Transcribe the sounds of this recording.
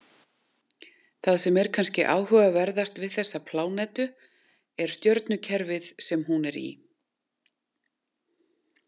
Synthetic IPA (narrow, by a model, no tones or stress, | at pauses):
θaðsɛmɛɾ̥kʰanscɪʔa̰ːwhœvavɛɾðast̪vɪðθɛsːapʰlaːwnɛt̪ʏ | ɛɾ̥st̪jœɾt̪nʏcʰɛɾvɪðsɛmɦunɛɾḭ